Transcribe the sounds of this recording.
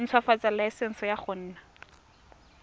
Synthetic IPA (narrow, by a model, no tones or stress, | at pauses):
n̩t͡sʰwafat͡salaɪsɛn̩sɔjaχʊn̩ːna